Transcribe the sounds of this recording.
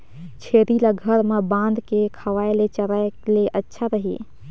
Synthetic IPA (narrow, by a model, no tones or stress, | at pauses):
t͡ʃʰeːɾilaɡʱəɾmẽbãːnd̪kekʰɐʋaːelet͡ʃəɾaeleʔətːʃʰaɾəɦḭ